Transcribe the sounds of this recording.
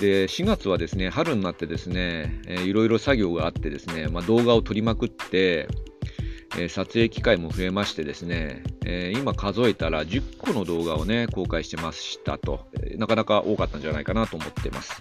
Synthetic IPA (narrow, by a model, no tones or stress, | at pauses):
d̪̥e̞ɕiɡat͡sɨβ̞ad̪e̞sɨne̞haɾɯ̟nːat̪ːe̞d̪e̞sɨne̞iɾo̞iɾo̞saɡʲo̞ːɡaːt̪ːe̞d̪e̞sɨne̞mad̪o̞ːɡao̞t̪o̞ɾʲimakɯ̟t̪ːe̞ | sat͡sɨe̞ːkʲi̥kaimo̞ɸɯ̟e̞maɕi̥t̪e̞d̪e̞sɨne̞ | imakazo̞et̪aɾad͡ʑɨkʰːo̞no̞d̪o̞ːɡao̞ne̞ko̞ːkaiɕi̥t̪e̞masɕi̥t̪a̰t̪o̞̰nakanakaʔo̞ːkat̪ːãɲ̟d͡ʑanaikanat̪o̞ːmo̞t̪ːe̞mʔa̰sɨ̥